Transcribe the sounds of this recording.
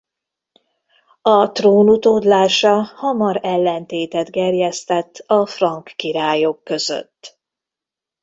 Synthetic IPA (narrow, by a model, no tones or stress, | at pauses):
ɒt̪roːnut̪od̪laːʃɒhɒmɒɾɛlːɛnt̪eːt̪ɛd̪ɡɛrjɛst̪ɛt̪ːɒfrɒŋkːiɾaːjo̞kːøzø̰t̪ː